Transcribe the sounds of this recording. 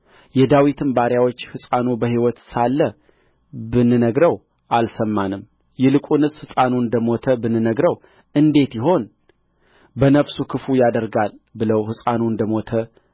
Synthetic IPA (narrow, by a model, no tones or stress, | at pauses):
jɛd̪awit̪ʰɨmbaɾjawo̞t͡ʃːhɨsʼanubəɦiwɔt̪salːə | bɨnːɨnəɡɾəw | ʔalsəmːanɨm | jɛlɨkʼunɨsʼhɨsʼanuɨnd̪əmo̞t̪ʰəbɨnːɨnəɡɾəw | ʔɨnd̪e̞t̪jɪɦo̞n | bənəfsukʰɨfujad̪əɾɡalbɨləwhɨsʼanuɨnd̪əmo̞t̪ʰə